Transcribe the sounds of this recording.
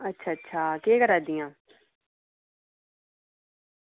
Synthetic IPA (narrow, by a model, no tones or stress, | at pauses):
ətːʃʰaːətːʃʰaːkeːkəɾaːd̪ijãː